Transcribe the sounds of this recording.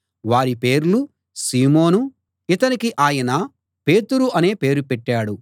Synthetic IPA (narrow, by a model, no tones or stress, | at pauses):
ʋaːɾipe̞ːɾulu | siːmo̞ːnu | it̪ɐnikiʔaːjɐnɐ | pe̞ːt̪uɾuʔɐne̞ːpe̞ːɾupɛʈːaːɽu